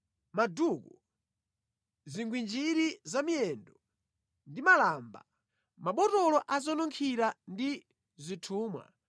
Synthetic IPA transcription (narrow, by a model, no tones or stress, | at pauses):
maduːku | ziŋɡwind͡ʒiɾizamiɛndɔ | ndimalaːmba̰ | maɓɔtɔlɔʔazɔnɔŋkʰiɾandi | zitʰuːmwa̰